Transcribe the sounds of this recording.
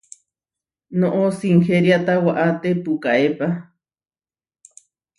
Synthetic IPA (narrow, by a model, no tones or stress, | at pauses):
nõʔosiŋxeɾjat̪awaʔat̪epukaʔepa